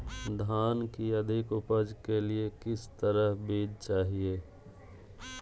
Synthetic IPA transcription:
d̪ʱaːnkiəd̪ʱɪkʊpəd͡ʒkeliekɪst̪əɾəɦbeːd͡ʒt͡ʃaːɦieː

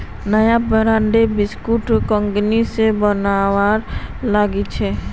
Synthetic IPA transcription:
nəjabəɾaɳɖebɪskuʈkəŋɡnisebənawaɾlaːɡit͡ʃʰɛ

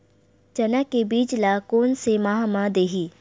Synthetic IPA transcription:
t͡ʃɐnakebiːd͡ʒlakoːnsemaɦamãd̪eːɦiː

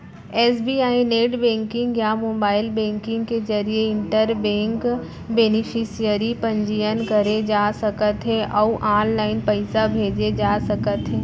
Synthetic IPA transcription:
ɛːsbiaːineːʈbɛ̃ːŋkɪ̃ŋɡjamoːbaːɪlbɛ̃ːŋkɪ̃ŋɡked͡ʒɐɾieɪ̃ɳʈəɾbɛ̃ːŋk | beːnɪfʰɪsijəɾipɐ̃ɲd͡ʒijənkɐɾed͡ʒaːsɐkət̪ɦɛʔɔːuʔãːnlaːɪnpɐɪsabʱeːd͡ʒed͡ʒaːsɐkət̪ɦɛ̃ː

